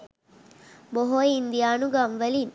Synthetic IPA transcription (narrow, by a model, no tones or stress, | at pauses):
boɦojind̪ijaːnuɡamʋəlin